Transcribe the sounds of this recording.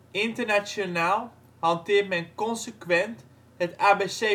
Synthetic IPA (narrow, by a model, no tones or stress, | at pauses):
ɪntərnat͡ʃjonaːlˠ | hɑntɪːrtmɛnkɔnsəkʋɛnt | ɦətaːbese